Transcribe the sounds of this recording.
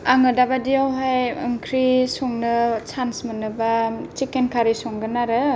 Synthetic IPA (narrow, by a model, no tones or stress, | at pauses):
aŋɯdabadiawɦajɯŋkʰɾisɔŋnɯt͡ʃʰansmənɯbat͡ʃikenkʰaɾisɔŋɡɯnaɾɯ